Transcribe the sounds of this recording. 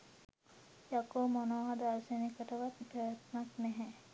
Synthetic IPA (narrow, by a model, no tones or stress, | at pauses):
jakomonoːɦad̪aɾsenikəʈəʋat̪pɾajət̪naknɛɦɛ